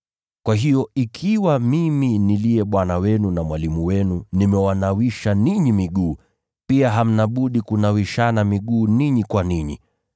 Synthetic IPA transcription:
kwaɦijɔikʰiwamiminiliɛɓwanawɛnunamwalimuwɛnunimɛwanawiʃaniɲimiɠuː | piaɦam̩naɓuɗikunawiʃanamiɠuːniɲikwaniɲḭ

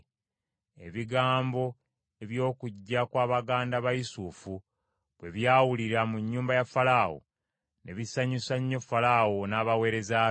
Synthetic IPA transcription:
e̞̰βiɡaːmbo̞ | e̞βjo̞ːkuɟːakwaːβaɡaːndaβajisufu | βwe̞βjaːwuliɾamuɲːuːmbajafalawo̰ | nʔe̞βisaɲisaɲːofalawonaːβawe̞ːɾe̞za

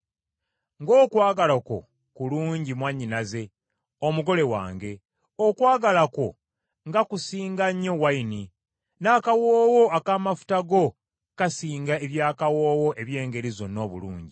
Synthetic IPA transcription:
ŋɡo̞ːkwaːɡalako̞̰ | kuluːɲɟimwaɲːinaze̞ | omuɡo̞le̞wa̰ːŋɡe̞ | okwaːɡalako̞ | ŋɡakusiːŋɡaɲːo̞waini | naːkawoːwo̞akamafu̥taɡo̞ | kasiːŋɡae̞βjaːkawoːwo̞ʔe̞βje̞ːŋɡe̞ɾizo̞nːo̞ːβṵlṵːɲɟi

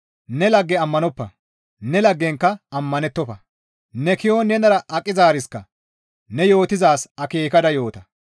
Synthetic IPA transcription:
nɛlɐɡːɛɐmːɐnɔpːɐ | nɛlɐɡːɛŋkːɐɐmːɐnɛt̪ːɔfɐ | nɛkɪjoːnɛnɐɾɐʔɐkʼːɪzaːɾɪskɐ | nɛjo̞ːt̪ɪzaːsɐke̞ːkɐd̪ɐjo̞ːt̪ɐ

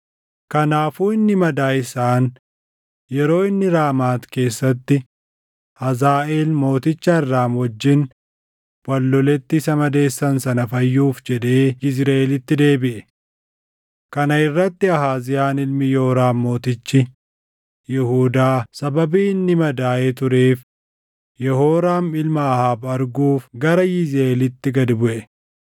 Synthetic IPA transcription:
kɐnaːfuːɪnːɪmɐd̪aːɪsaːn | jɛɾo̞ːɪnːɪɾaːmaːt̪ke̞ːsːɐt̪ːɪ | hɐzaːʔe̞ːlmo̞ːt̪ɪt͡ʃːɐɪrːaːmwɔd͡ʒːɪn | wɐlːɔlɛt̪ːɪːsɐmɐd̪e̞ːsːɐnsɐnɐfɐjːuːfd͡ʒɛd̪e̞ːɪsɾaʔelɪt̪ːɪd̪e̞ːbɪʔɛ | kɐnɐɪrːɐt̪ːɪɐhaːzɪjaːnɪlmɪjɛhɾaːmmo̞ːt̪ɪt͡ʃːɪ | jɪhuːd̪aːsɐbɐbiːnːɪmɐd̪aːjet̪ʊɾe̞ːf | jɛhoːɾaːmɪlmɐːhaːbɐɾɡuːfɡɐɾɐjɪzɾɐelɪt̪ːɪɡɐd̪bʊʔɛ

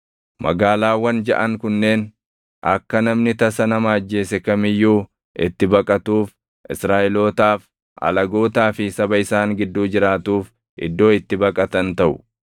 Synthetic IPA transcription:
mɐ̰ɡaːlaːwɐnd͡ʒɐ̰ʔɐŋkʊnːe̞ːn | ʔɐ̰kːɐnɐmnɪt̪ɐsɐnɐmaːd͡ʒːe̞ːsɛkɐmɪjːuː | ʔɪ̰t̪ːɪbɐkʼɐt̪uːf | ʔɪsɾaːʔɪloːt̪aːf | ʔɐ̰lɐɡoːt̪aːfɪsɐbɐɪsaːŋɡɪd̪ːuːd͡ʒɪɾaːt̪uːf | ʔɪ̰d̪ːo̞ːɪt̪ːɪbɐkʼɐt̪ɐnt̪ɐʔʊ̥

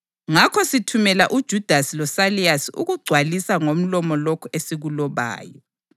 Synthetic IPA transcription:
ŋakʰɔsitʰumɛlaʔud̥ʒ̥ʱud̥ʱasilɔsaliasiʔṵɣuɡ͡ǀʱwalisaŋom̩lɔmɔlokʰuesiɣulɔβa̰ːjɔ

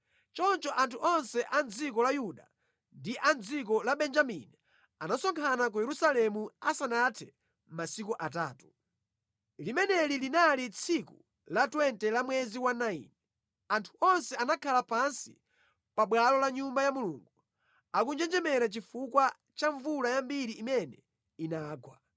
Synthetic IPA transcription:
t͡ʃɔnt͡ʃɔʔantʰuɔnsɛʔand͡zik̬ɔlajuɗa | ndiʔand͡zikɔlaɓɛnd͡ʒamḭni | anasɔŋkʰanak̬ujɛɾusalɛmuasanatʰɛ | masikuʔat̬aːtu̥ | limɛnɛlilinalit͡sʰiku | latwɛntɛlamwɛziwanaḭnɛ | antʰu̥ɔnsɛanakʰalapansi | paɓwalɔlaɲumbajamuluŋɡu | akund͡ʒɛnd͡ʒɛmɛɾat͡ʃifukwa | t͡ʃaɱvulajambiɾiːmɛnɛ | inaːɡwa

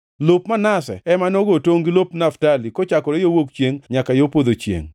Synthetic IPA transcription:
lopmanasɛ̰ɛmanɔɡotoŋɡilopnaftalikot͡ʃakɔɾejowokt͡ʃjeŋɲakajopod̪ot͡ʃjḛŋ

